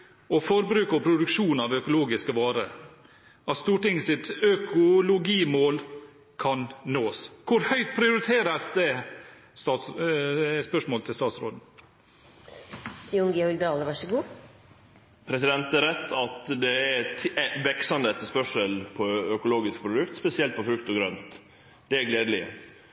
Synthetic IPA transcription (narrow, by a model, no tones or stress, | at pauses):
ɔfɔɾbɾʉːkɔpʰɾʊd̪ʉkʂuːnɑʋœkʊloːɡɪskəʋɑːɾə | ɑt̪st̪uːʈɪŋːsɪt̪œkʊlʊɡiːmoːl | kʰɑnnoːskʰʊɾhœʏt̪̚pʰɾɪʊɾɪt̪ʰeːɾəsd̪ɛ | st̪ɑːt̪s | spœʂmoːlt̪ʰɪlst̪ɑːt̪sɾo̰ːd̪n̩ | ɪʊŋɡeɔlɡd̪ɑːləʋɑʂəɡuː | pʰɾɛsɪd̪ɛnt̪æɾɛt̪ʰːɑt̪d̪ɛæɾʰʋɛksɑnd̪əɛt̪ːəspœʂəlpʰɔœkʊloːɡɪsk̚pʰɾʊd̪ʉkt̪spɛsɪɛlt̪̚pʰɔfɾʉkt̪ɔɡɾœnt̪ | d̪̥ɛæɡleːd̪lɪə̰